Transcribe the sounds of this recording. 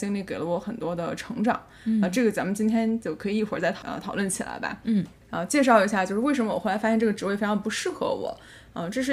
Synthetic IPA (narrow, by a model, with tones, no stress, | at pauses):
ɕi˥ŋli˧˥˩ke˨˩ɪlə˦wɔ˧˥xə˨˩nt̪wɔ˥d̪ə˧˨ʈ͡ʂʰɤ˧˥ŋʈ͡ʂɑ̰˨˩˦ŋ | ə˧ʈ͡ʂɤ˥˩ɡə˩t͡sa˧˥mə˨nt͡ɕi˥nt̪ʰjɛ˥nt͡ɕjo˥˩ʊkʰɤ˧˥i˨˩i˥˩xwə˞˧˥t͡sa˥˩ɪt̪ʰɑ˨˩ə̰˧t̪ʰɑ˨˩ʊlwə˥˩nt͡ɕʰi˨˩la̰˧˥ɪbɐ̰˧˥˩ | ə˧t͡ɕjɛ˥˧ʂ̬ɑ˥˩ʊi˧˥ɕja˥˧t͡ɕjo˥˧ʊʂɻ̩˧we˥˩ɪʂə˧˥mə˧wɔ˨˩xlfa˥jɛ˥˧ʈ͡ʂɤ˥˩ɡə˩ʈ͡ʂɻ̩˧˥we˥˩ɪfʈ͡ʂʰɑ˧˥ə˧pu˧˥ʂɻ̩˥˩xɤ̰˧˥wɔ̰˨˩˦ | ə˧ʈ͡ʂɤ˥˧ʂɻ̩˥˧